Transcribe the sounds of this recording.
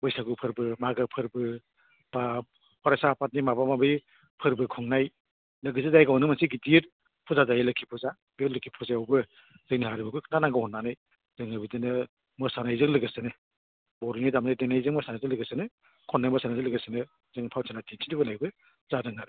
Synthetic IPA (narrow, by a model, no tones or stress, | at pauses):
bɯjsaɡupʰɯɾbɯmaɡɯpʰɯɾbɯ | ba | pʰɔɾasapʰat̚nimabamabi | pʰɯɾbɯkʰɔŋnaj | lɯɡɯsizajɡawnɯmansiɡidiɾ | pʰuzazajlɯkʰipʰuza | beɾlɯkʰipʰɔzaɔwbɯ | zɯŋniɦaɾibɯkʰɯkʰnanaŋɡɯhɔnːanɯj | zɯŋnajbɯdinɯ | mɯsanajzɯŋlɯɡɯsɯnɯ | bɔɾunidamnadeŋnajzɯŋmɔsanajzɯŋlɯɡɯsɯnɯ | kʰɔnːajmɔsanazɯlɯɡɯsɯnɯ | zɯŋpʰawsʰanatʰinsʰindibɯnajɡɯ | zadɯŋnaɾɯ